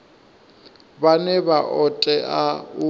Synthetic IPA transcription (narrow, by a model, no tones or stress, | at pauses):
banɛβaʔɔtʼɛʔau